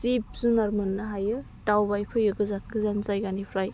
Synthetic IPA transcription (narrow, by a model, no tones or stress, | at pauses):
sip̚zunaɾmanːɐɦajɯ | tawbajpʰɯjɯɡɯzanɡɯzanzajɡanipʰɾaj